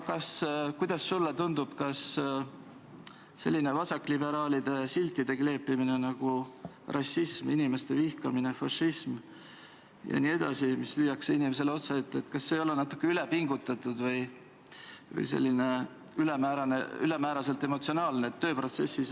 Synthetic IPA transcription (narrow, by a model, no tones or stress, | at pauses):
kɑskujd̪̥ɑsːulːet̪und̪ub̥kɑs | se̞̰lːinevɑsɑkːˑlibe̞ɾɑːlid̪̥e̞silt̪ːˑid̪̥e̞kle̞ːpːimine̞nɑɡ̥u | rʔɑsisminime̞st̪e̞vihkɑminefɑʃːism | jɑ̰nie̞d̪̥ɑ̰simislyːjːɑkseinimes̬e̞leo̞t̪sɑet̪ːe̞t̪ːkɑsːe̞ːjo̞lɛnɑt̪ːˑu̥kːeylepiŋɡut̪ːˑɑt̪ːˑud̪̥vɤj | vɤ̰jse̞̰lːine̞ | ylemæːɾɑnḛylemæːɾɑse̞lt̪ːˑe̞mo̞t̪sio̞nɑːlneːt̪ːø̞ːpro̞t̪se̞sːis